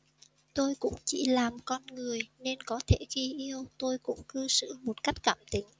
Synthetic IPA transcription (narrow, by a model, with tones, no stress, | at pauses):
t̪o˧jkʊ̰˧˥ŋ͡mt͡ɕḭ˧˩laː˨˩mkɔ˧nŋɨ˨˩əjne˧nkɔ˨˦t̪ʰe˧˩ɣi˧ʔi˧əwt̪o˧jkʊ̰˧˥ŋ͡mkɨ˧sɨ̰˧˨mo˨˩t̚ka˦˥jk̟̚kaː˧˨˩mt̪ï˨˦ŋ̟